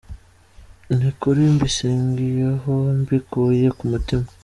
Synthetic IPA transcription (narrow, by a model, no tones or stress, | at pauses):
nikuɾimbisiːŋɡijeɦombikuje̞kumutima